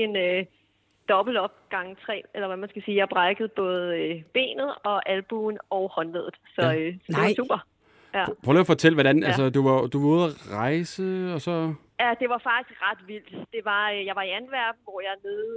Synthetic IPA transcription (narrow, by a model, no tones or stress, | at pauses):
e̝nø | d̥ɒ̽b̥l̩ɒ̽b̥̚ɡ̥ɑ̈ŋt͡sʰʁɛ̰ːelɐʋæmænsɡ̥æsiːjɑ̈ɪb̥ʁɑ̈ɡ̥əð̞̩ˠb̥ɔ̽ːð̞̩ˠøb̥e̝̰ːnð̩ˠɒ̽ʔælb̥uːnɒ̽ʊhɒ̽nleðˠð̩ˠsɒ̽sɒ̽deɑsṵːb̥ɐ | jæpʰʁolːfɒ̽t͡sʰel̰ʋɒɾænælsəd̥uʋɑ̈d̥uʋɑuð̞̰ˠæʁɑ̈ɪsəɒ̽sɒ̽ | jæd̥e̝ʋɑ̈fɑ̈ɡ̥d̥isɡ̥ʁɑ̈d̥ʋil̰d̥d̥e̝ʋɑ̈jɑ̈ɪʋɑ̈iænʋæɐ̰b̥n̩ʋɒjɑ̈ne̝ðˠ